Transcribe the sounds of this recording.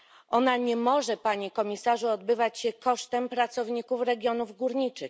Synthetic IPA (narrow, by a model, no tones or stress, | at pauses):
ʔɔnaɲɛmɔʐɛpaɲikɔmʲisaʐuɔd̪bɘvat͡ɕɕɛkɔʂt̪ɛmpɾat̪sɔvɲikufɾɛɡʲjɔnuvɡuɾɲit͡ʂɘx